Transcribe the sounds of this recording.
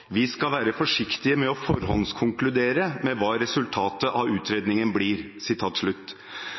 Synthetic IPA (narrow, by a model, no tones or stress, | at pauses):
ʋɪskɑlʋæːɾəfɔʂɪkt̪ɪəmɛɔfɔɾhɔlnskʰʊŋklʉd̪eːɾəmɛʋɑːɾɛsʉlt̪ʰɑːt̪əʔɑʉːt̪ʰɾeːd̪nɪŋənbliːɾ | sɪt̪ʰɑːt̪ʂɭʉt̪ː